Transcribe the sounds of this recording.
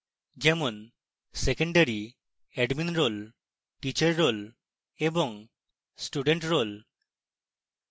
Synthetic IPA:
d͡ʒɛmon | sekeɳɖaɾi | ɛɖminɾol | ʈit͡ʃaɾːol | ebɔŋ | sʈuɖeɳʈɾol

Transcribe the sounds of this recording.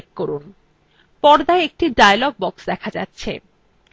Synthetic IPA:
k̚koɾun | pɔɾd̪aeek̚ʈiɖajlɔɡ̚bɔksd̪ɛkʰad͡ʑa̰tːɕʰḛ

